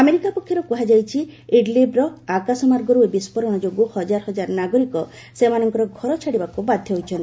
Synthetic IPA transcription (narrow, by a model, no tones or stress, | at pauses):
ameɾikapɔkʰjɔɾɔkuɦad͡ʒajt͡ʃʰiiɖlibɾɔakasɔmaɾɡɔɾuebispɔɾɔɽ̃ɔd͡ʒoɡuhɔd͡ʒaɾɔɦɔd͡ʒaɾnaɡɔɾikɔ | semanɔŋkɔɾɔɡʱɔɾɔt͡ʃʰaɽibakubad̪ʱjɔɦojt͡ʃʰɔnt̪